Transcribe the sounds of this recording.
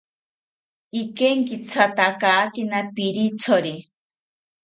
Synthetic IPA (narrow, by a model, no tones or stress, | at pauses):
ikeŋkit͡sʰat̪akaːkinapiɾit͡sʰoɾi